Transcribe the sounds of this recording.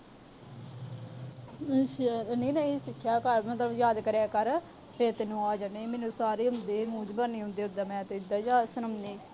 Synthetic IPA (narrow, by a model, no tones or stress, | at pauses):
ʃɾəniːnaːiːsɪkʰːaːkəɾmət̪ləbjaːd̪kəɾaːkəɾ | pʰeːɾt̪enːũːaːd͡ʒaːneːmeːnũːsaːɾeːɦʊ̃nd̪eːmuːd͡ʒbaːniːɦʊ̃nd̪eːʊd̪aːmɛ̃ːt̪ed̪aːd͡ʒaːsənəmneː